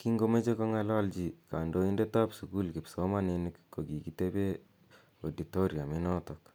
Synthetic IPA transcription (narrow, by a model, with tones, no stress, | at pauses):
ki˦ŋɡo˦me˦t͡ʃe˦ko˦ŋa˧la˦ld͡ʒi˨ka˨ndo˦i˦nde˦ta˦psuku˦lki˨psomaninikko˨ɡi˨kite˦be˦ | odito˦ɾja˨minɔtɔk